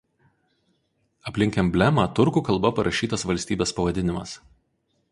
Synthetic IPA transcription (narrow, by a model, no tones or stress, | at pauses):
ɐpʲlʲɪŋʲkʲɛmbʲlʲɛmɑːt̪ʊɾkuːkɐlˠbɐpɐɾɐʃʲiːt̪ɐsʋɐlʲsʲt̪ʲiːbʲeːspɐʋɐd̪ʲɪnʲɪmɐs